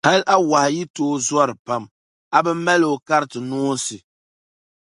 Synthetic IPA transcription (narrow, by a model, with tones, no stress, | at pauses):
ha˦lʔa˦wa˨hɪ˨ji˦toː˦zɔ˦ɾɨ˨pa˨m | a˨bɨ˦m˦mːa˦lɨ˨o˨ka˦ɾɨ˦tɨ˨nuː˦sɨ˨